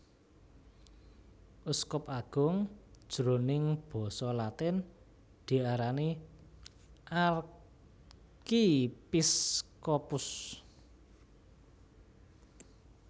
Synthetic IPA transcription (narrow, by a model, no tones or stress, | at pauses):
ʔuskɔpaɡ̥ʊ̤ŋd̥ʒ̥ɾo̤nɪŋb̥ɔ̤sɔlat̪ɪn | d̪̥i̤aɾani | ʔar | kipiskɔpʊs